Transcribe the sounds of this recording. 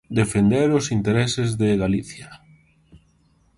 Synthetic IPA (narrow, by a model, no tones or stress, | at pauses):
d̪efend̪eɾʊsint̪eɾesɪzðeɣaliθjɐ